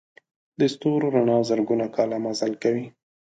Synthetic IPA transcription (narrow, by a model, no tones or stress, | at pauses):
d̪əst̪oɾɾaɳɑzəɾɡunakɑlamazalkawi